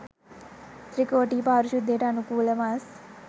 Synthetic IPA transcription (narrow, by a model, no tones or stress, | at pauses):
t̪ɾikoːʈiːpaːɾuʃud̪ʱːeːʈɐnukuːlɐmas